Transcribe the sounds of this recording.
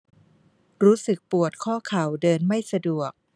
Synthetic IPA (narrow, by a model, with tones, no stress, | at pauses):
ɾuː˦˥sɯ˨˩k̚pu˨˩ət̪̚kʰɔː˥˩kʰa˨˩wdɤː˧nma˥˩jsa˧du˨˩ək̚